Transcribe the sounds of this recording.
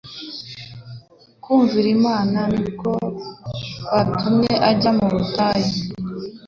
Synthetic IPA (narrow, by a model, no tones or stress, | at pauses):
kuːɱviɾimaːnanuko̞ | βatumɲe̞ʔaɟamuɾutaːji